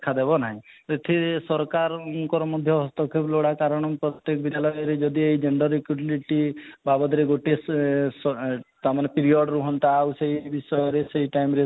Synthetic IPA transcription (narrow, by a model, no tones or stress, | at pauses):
d̪kʰad̪ebɔnaɦĩeʈʰisɔɾkaɾunkɔɾɔmɔd̪ʱjɔɦɔst̪ɔkʰebloɽakaɾɔɽ̃ɔpɾɔt̪jekbid̪ʱjalɔjɔɾed͡ʒɔd̪iejd͡ʒeɳɖɔɾːikjuʈiliʈibabɔd̪ɾeɡoʈesɔt̪amanepiɾiɔɖɾuɦɔnt̪aːwseɦibisɔjɔɾeseɦiʈajmɾe